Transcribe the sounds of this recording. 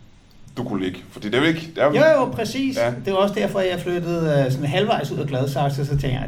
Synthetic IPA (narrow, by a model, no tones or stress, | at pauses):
d̥ukʰuleɡ̥fɒd̥ḭːd̥eʋleɡ̥d̥ejojopʰʁɛsḭːsd̥e̝ʋɑ̈ɒ̽səd̥æɐ̰fɒ̽jɑ̈ɪflød̥əð̩ˠøsɔ̽nɦælʋɑ̈ɪsuð̰ˠɐɡ̥lɛðˠsɑ̈ɡ̥ssɒt͡sʰeŋ̰ɡjɑ